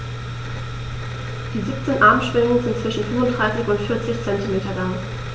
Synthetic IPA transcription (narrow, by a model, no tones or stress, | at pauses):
d̥iːziːp̚t͡seːnʔaɐmʃv̥ɪŋəŋzɪntt͡sv̥ɪʃn̩fʏmvʊntd̥ʁaɪsɪçʊntfɪɐt͡sɪçt͡sɛntimeːtɐlaŋ